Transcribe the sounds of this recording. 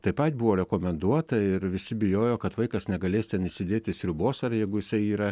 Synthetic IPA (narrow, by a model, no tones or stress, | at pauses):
t̪ɐɪpɐt̪ʲbʊʋoːɾʲɛkoːmʲɛnd̪uɔt̪ɐɪɾʋʲɪsʲɪbʲɪjoːjoːkɐt̪ʋɐɪkɐsnʲɛɡɐlʲeːst̪ʲɛnɪisʲɪd̪ʲeːt̪ʲɪsʲɾʲʊboːsɐɾjɛɪɡʊjɪsɐɪiːɾɐ